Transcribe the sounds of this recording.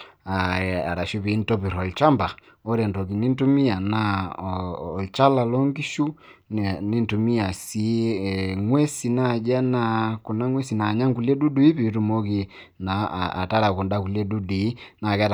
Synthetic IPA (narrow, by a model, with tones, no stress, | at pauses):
a˨a˨ɾa˨ʃu˦βi˨˦n̩˦tɔ˦pi˨ɾɔ˨lt͡ʃa˦mba˨ | ɔ˦ɾɛ˨ntɔ˨ki˨ni˦n̩˦tu˦mi˦a˨na˦˨ | lt͡ʃa˦la˨lɔ˦ŋɡi˦ʃu˦nni˦n˨tu˨mi˦a˨si˦ | ŋwɛ˦si˨na˦˨d͡ʒa˦na˦˨ku˨na˦ŋwɛ˦si˨na˨ɲa˦ŋku˨lɛ˦du˦du˨˦i˦βi˨˦tu˨mo˦ki˨ | na̰ː˨ta˦ɾa˨ku˨nda˦ku˨lɛ˦du˦di˨˦na˨kɛ˦ta˨